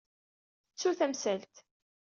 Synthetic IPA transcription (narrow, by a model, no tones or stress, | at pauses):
θət͡sːuθæmsælt̪